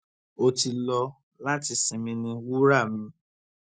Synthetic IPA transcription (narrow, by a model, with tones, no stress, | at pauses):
o˧ti˧lɔ˧ | la˦ti˧sĩ˨mĩ˧nĩ˧wu˦ɾa˦˨mĩ˨˦